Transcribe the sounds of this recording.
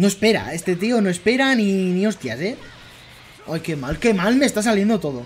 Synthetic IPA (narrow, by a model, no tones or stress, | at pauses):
no̞espe̞ɾa̰e̞st̪e̞t̪ionoe̞spe̞ɾaninio̞st̪jase | ojke̞malke̞malmest̪as̬alje̞nd̪ot̪o̞ð̞o